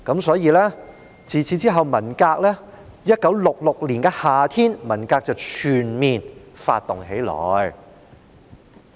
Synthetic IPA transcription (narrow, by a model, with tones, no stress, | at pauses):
kɐ˨˥msɔː˨˥jiː˨˧lɛː˥ | t͡siː˨t͡sʰiː˨˥t͡siː˥ɦɐ˨wmɐ˨˩nkaː˧k̚lɛː˥ | jɐ˥t̚kɐ˨˥wlʊ˨k̚lʊ˨k̚liː˨˩nkɛː˧haː˨˩t̪ʰiː˥nmɐ˨˩nkaː˧k̚t͡sɐ˨wt͡ʃʰyː˨˩nmiː˨nfa̰ː˧t̚t̪ːʊ˨ŋɦe˨˥jlɔ̰ː˨˩j